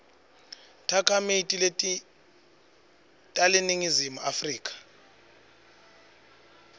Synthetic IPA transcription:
tʰakʰamitʼi | tʼaleniŋizimuʔafriːk̬ʼḁ

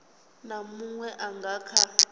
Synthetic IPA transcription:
namuŋwɛʔaŋɡʱaːkʰa

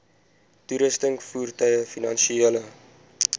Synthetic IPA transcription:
tuɾəstəŋfuːrtœjəfinɐnʃielə

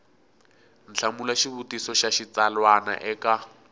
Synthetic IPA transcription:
n̩t͡ɬʰamulaʃiβutisɔʃaʃit͡salwana̰ʔɛka

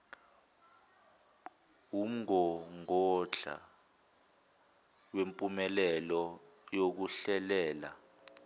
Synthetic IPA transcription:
um̩ɔŋɔt͡ɬa̰ | wempʼumɛlɛlɔ | jok̬uɬɛlɛːla̰

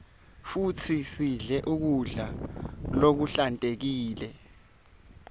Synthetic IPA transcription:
futʰisiɮɛʔuk̬uɮalok̬uɬantʼek̬iːlɛ

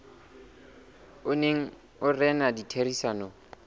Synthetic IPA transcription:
ʊneŋ̩ | ʊrɛnaditʰerisaːnɔ

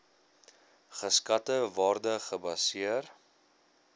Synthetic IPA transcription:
χəskɐtəvɑːrdəχəbɐsiər

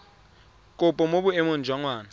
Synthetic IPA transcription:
kʼʊpʼɔmobʊemon̩d͡ʒwaŋwaːna

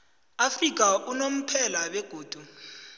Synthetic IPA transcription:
afrik̬ʼaʔunom̩pʰɛlawɛɡ̥ʱoːd̥ʱu

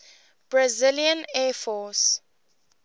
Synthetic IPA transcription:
b̥ɹazɪljə̃nɛfɔs

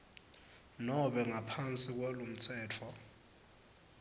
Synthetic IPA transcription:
nɔɓɛŋapʰant͡sʼik̬walom̩t͡sʰɛːtʰwa

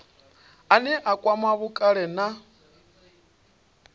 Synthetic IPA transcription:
anɛʔakʼwamaβukʼaɺɛna

